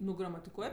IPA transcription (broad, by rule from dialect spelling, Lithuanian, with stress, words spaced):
ˈnʊ ɡrɐmɐtʲɪˈkuɔj